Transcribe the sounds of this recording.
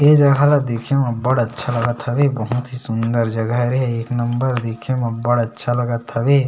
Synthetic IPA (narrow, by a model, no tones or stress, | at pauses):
ed͡ʒɐɡʱalad̪eːkʰemɐ̃bəɽɐtːʃʰalɐɡət̪ʰɐbebəɦʊt̪ɦisʊnd̪əɾd͡ʒɐɡaɾiɦɛeːknɐmbəɾd̪eːkʰemɐ̃bəɽɐtːʃʰalɐɡət̪ʰɐbe